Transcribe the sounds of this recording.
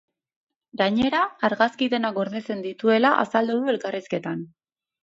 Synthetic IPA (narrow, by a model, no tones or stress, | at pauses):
ɡaɲe̞ɾaːɾɣaskiðe̞naɡo̞ɾðe̞t͡se̞nd̪it̪ue̞laʔa̰sald̪uðue̞lkariske̞t̪an